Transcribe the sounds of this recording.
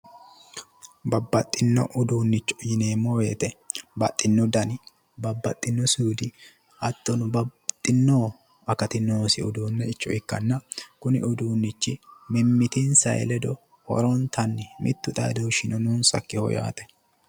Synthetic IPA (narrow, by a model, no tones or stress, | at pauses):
bɐbːɐt̪ʼːɪnːɔ̰ʔʊd̪uːnːɪt͡ʃːɔ̥jɪneːmːɔweːt̪ɛbɐt̪ʼːɪnːɔd̪ɐnɪ | bɐbːɐt̪ʼːɪnːɔsuːd̪ɪ | ʔɐt̪ːɔnʊbɐt̪ʼːɪnːoː | ɐkɐt̪ɪnːoːsɪʊd̪uːnːɛɪt͡ʃːɔɪkːɐnːɐkʊnɪ̰ʔʊd̪uːnːɪt͡ʃːɪmɪmːɪt̪ɪnsɐ̰j̰lɛd̪ɔ | hɔ̰ɾɔnt̪ʰɐnːɪmʔɪ̰t̪ːʊd̪a̰d̪owʃɪnɔnuːnsɐ̰kːɪhɔ̰ja̰ːt̪ɛ̥